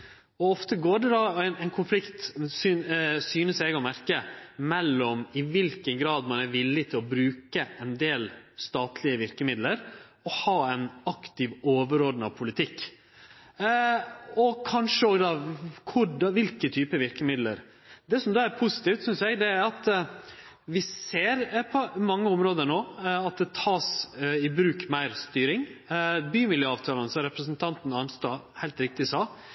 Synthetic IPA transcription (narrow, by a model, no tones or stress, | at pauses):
ɔɔft̪əɡoːɖɛd̪ɑɛnɛɪnkʰʊnflɪkt̪syːsyːnəsæɪɡɔmæɾkəmɛlːɔmɪʋɪlkənɡɾɑːd̪mɑnæɾʋɪlːɪt̪ʰɪlɔbɾʉːkəʔɛnd̪eːlst̪ɑːt̪ʰlɪəʋɪɾkəmɪd̪ləɾ | ɔhɑːɛnɑkt̪ɪʋoːʋəɾoːd̪n̩ɑʋpʰʊlɪt̪ʰɪkː | ɔkʰɑnʂəoːɡd̪ɑkʰʊɖɑʋɪlkət̪ʰyːpəʋɪɾkəmɪd̪lə̰ɾ | d̪ɛsɔmd̪oːæɾpʰʊsɪ̥t̪iːft̪sʏnsjæɡd̪ɛæɾɑt̪ | ʋɪseːɾpʰɔmɑŋːəʊmɾoːd̪əɳoːɑt̪̚d̪ɛt̪ʰɑːsɪbɾʉːkmæɪɾst̪yːɾɪŋbyːmɪljøːɑːʋt̪ʰɑːlənəsɔɾɛpɾəsnt̪ʰɑnt̪n̩ɑnst̪ɑːhæɪlt̪ɾɪk̚t̪ɪsɑː